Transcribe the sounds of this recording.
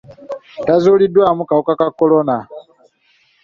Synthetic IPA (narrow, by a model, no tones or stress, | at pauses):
tazuːlidwaːmukaokakakːolona